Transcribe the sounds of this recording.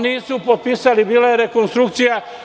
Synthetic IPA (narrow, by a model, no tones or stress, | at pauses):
niːsupot̪̚pisalibiːlajeɾe̞konst̪ɾuk̚t̪sija